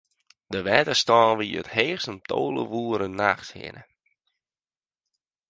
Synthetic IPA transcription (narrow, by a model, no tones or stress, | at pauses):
dəʋɛtəstɔːnʋijə̰theːsəntʰoːlə̰ʋuːəɾənːaxshɪ̰nə̰